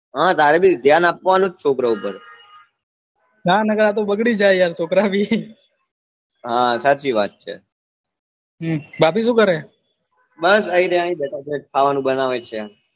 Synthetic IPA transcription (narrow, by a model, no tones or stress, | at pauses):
ɦãt̪aɾebʱid̪ʱjanapʋanũt͡ʃt͡ʃʰokɾaupəɾ | ɦanəɡəɾat̪̬obəɡɽid͡ʒajjaɾt͡ʃʰokɾabi | ɦãsat͡ʃiʋat̪̚t͡ʃʰḛ | ɦbapiʃ̬ũkəɾe | bəsəiɾeãĩbɛʈʰat͡ʃekʰaʋanũbənaʋet͡ʃʰea